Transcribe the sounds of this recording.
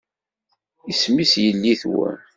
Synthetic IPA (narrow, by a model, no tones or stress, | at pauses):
ismisjəlːiθwə̰